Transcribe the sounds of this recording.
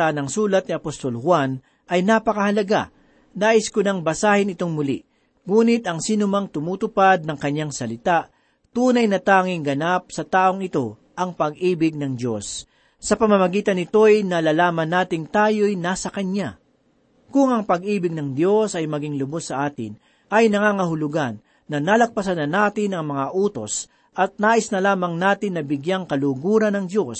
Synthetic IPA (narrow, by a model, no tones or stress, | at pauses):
anɐŋsuːlɐt̪̚niɐpost̪o̞lhwan | ʔɐjnapɐkɐhɐlɐɡa̰ | naːʔɪskʊnɐŋbɐsaːhɪnɪt̪o̞ŋmʊli | ŋuːnɪt̪ɐŋsiːnʊmɐŋt̪ʊmuːt̪ʊpad̪̚nɐŋkɐɲːaŋsɐlɪt̪aʔ | t̪uːnɐjnɐt̪aːŋɪŋɡɐnap̚sɐt̪aːʔo̞ŋɪt̪o̞ | ʔɐŋpɐɡ̚ʔiːbɪɡ̚nɐŋd̪jo̞sː | ɐpɐmɐmɐɡiːt̪ɐnːɪt̪o̞jnɐlaːlaːmɐnːaːt̪ɪŋt̪aːjo̞jnaːsɐkɐɲa | kʊŋɐŋpɐɡʔiːbɪɡ̚nɐŋd̪jo̞sɐjmɐɡɪŋlʊbosːɐʔaːt̪ɪ̰n | ʔɐjnɐŋaːŋɐɦʊlʊɡanː | ɐnalɐk̚pɐsɐnːɐnaːt̪ɪnɐŋmɐŋaʔuːt̪o̞̰s | ʔɐt̪̚naːʔɪsnɐlaːmɐŋnaːt̪ɪnːɐbɪɡjaŋkɐluɡuːɾɐnɐŋd̪jo̞s